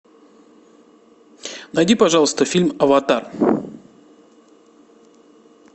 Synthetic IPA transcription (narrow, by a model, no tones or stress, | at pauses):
nɐjdʲipɐʐɑlˠəst̪əfʲilʲmɐvɐt̪ar